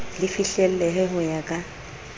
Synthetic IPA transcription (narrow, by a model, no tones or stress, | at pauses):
lɪfiɬɛl̩lɛɦɛɦʊjakʼa